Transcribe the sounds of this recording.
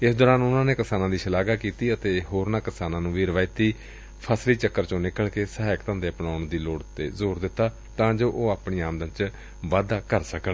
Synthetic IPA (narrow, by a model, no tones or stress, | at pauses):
ɪsd̪ɔːɾaːnʊnãːneːkɪsaːnãːd̪iːʃəlaːɡaːkiːt̪iːət̪eːɦoːɾnãːkɪsaːnãːnũːʋiːɾəʋaːit̪iː | pʰəsliːt͡ʃəkːəɾt͡ʃõːnɪkːəɭkeːsəɦaːɪkt̪ãːnd̪eːəpnaːʊɳd̪iːloːɽt̪ḛːzoːɾd̪ɪt̪ːaː | t̪ãːd͡ʒoːʔoːaːpɳiːaːmd̪ənt͡ʃ | ʋaːd̪aːkəɾsəkən